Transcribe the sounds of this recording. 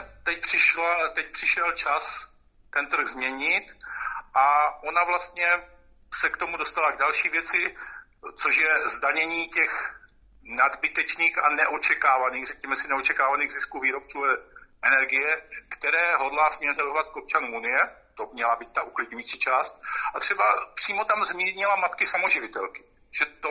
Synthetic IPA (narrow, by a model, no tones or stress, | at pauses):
t̪ɛc̚pr̝̥ɪʃat̪ɛc̚pr̥ɪʃɛlt͡ʃas | t̪ɛnt̪r̩ɣzmɲɛɲɪt̪ʔaʔo̞navlast̪ɲɛ | sɛkt̪o̞mudo̞st̪alaɡdalʃiːvjɛt͡sɪ | t͡soʃjɛzdaɲɛɲiːcɛx | nad̪bɪt̪ɛt͡ʃniːxanɛʔo̞t͡ʃɛkaːvaniːɣrɛkɲɛmɛsɪnɛo̞t͡ʃɛkaːvaniːɣzɪskuviːɾo̞p̚t͡suːɛʔɛnɛɾɡɪjɛkt̪ɛɾɛːɦo̞dlaːsɲɛɛt̪aovat̪̚ko̞p̚t͡ʃanumunɪjɛt̪o̞mɲɛlabiːt̪̚t̪aʔuklɪd̚ɲujiːt͡siːt͡ʃaːst̪̚ʔat̪r̝̥ɛbapr̥iːmo̞t̪amzmiːɾɲɪlamat̪kɪsamo̞ʒɪvɪt̪ɛlkɪ̥ | ʒ̥ɛt̪o